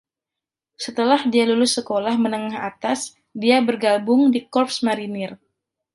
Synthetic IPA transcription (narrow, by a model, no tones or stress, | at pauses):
sət̪əlahdialulʊsːəkolahmənəŋaɦat̪as | diabərɡabʊŋdikɔrpsmaɾinɪr